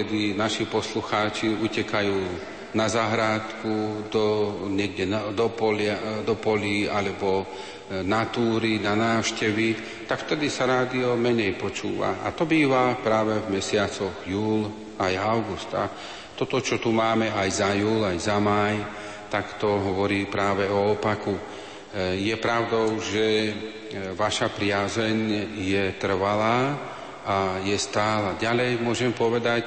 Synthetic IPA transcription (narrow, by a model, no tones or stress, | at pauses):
ɛd̪inaʃipɔsluxaːt͡ʃiucɛkajuː | nazaɦɾaːt̪kud̪ɔɲɛɡɟɛd̪ɔpɔlad̪ɔpɔlialɛbɔ | nat̪uːɾinanaːʊʃcɛʋi | t̪akft̪ɛd̪isaɾaːd̪iɔmɛɲɛjpɔt͡ʃuːʋa̰a̰t̪ɔbiːʋapɾaːʋɛvmɛsɪat͡sɔɣjuːl | ajaʊɡust̪a̰ | t̪ɔt̪ɔt͡ʃɔt̪umaːmɛajzajuːlajzamaj | t̪akt̪ɔɦɔʋɔɾiːpɾaːʋɛɔːpaku | jɛpɾaʊd̪ɔʊʒɛ | ʋaʃapɾɪazɛɲjɛt̪r̩ʋalaː | ajɛst̪aːlaɟalɛjmʊɔʒɛmpɔʋɛd̪ac